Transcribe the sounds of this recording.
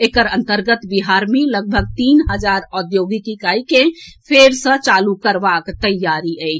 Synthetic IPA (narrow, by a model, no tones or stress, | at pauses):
eːkəɾə̃nt̪əɾɡət̪biɦaɾmẽləɡ̚bʱəɡ̚t̪iːnɦəd͡ʒaːɾɔd̪joːɡikikaikẽpʰeɾsə̃t͡ʃalukəɾbakt̪əjːaɾiʔə